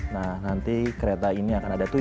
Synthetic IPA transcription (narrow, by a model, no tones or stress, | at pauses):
nahnant̪ikəɾet̪ainiakanadat̪u